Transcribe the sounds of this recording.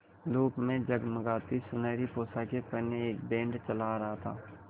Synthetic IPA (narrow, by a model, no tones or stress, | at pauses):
luːpmẽd͡ʒɐɡməɡaːt̪isʊnəːɾipoːsakepɐneeːkbẽːɳɖt͡ʃəlaɾɐɦat̪ʰa̰ː